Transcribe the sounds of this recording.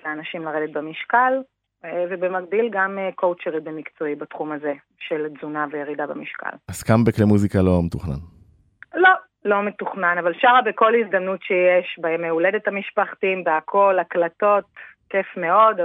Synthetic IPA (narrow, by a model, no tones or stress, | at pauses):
leanaʃimlaʁedet̪̚bemiʃkal | vebemaɡ̚dilɡamekowt͡ʃeʁibemikt͡so̞ibat̪χumaze̞ | ʃelzunavejeʁidabamiʃka̰laskambeklemuzikalo̞metuχna̰n | lo̞ | lo̞metuχnanavalʃaʁabeko̞lhizd̪amnutʃejeʃbaemːeulede̞thamiʃpaχtimbeakʰo̞laklato̞t̚kefme̞o̞d